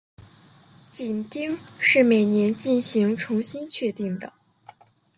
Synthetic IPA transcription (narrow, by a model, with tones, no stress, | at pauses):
t͡ɕi˨˩nt̪i˥ŋʂɻ̩˥˩me˨˩ɪnjɛ˧˥nt͡ɕi˥˩nɕi˧˥ŋʈ͡ʂʰʊ˧˥ŋɕi˥nt͡ɕʰɥɛ˥˧t̪i˥˩ŋd̪ə̰˩